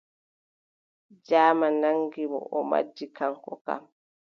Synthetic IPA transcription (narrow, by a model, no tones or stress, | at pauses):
d͡ʒaːmanaŋɡimɔ̰ʔɔma̰d͡ʒːikaŋkɔka̰m